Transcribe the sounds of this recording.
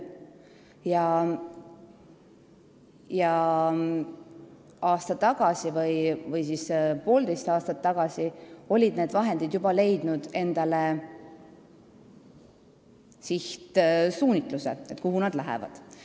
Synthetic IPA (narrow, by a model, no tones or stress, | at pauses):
jɑ | jɑ | ɑːst̪ɑt̪ːɑɡ̥ɑsivɯjvɯjsiːspo̞ːld̪e̞jst̪ɑːst̪ɑt̪ːɑɡ̥ɑsio̞lʲid̪ne̞ːd̪vɑɦe̞nd̪id̪jub̥ɑle̞jd̪̥nud̪̥e̞nd̪̥ɑle | siht̪suːnʲit̪ˑlusḛet̪ːˑkuɦunɑd̪læɦḛvɑ̰d̪̥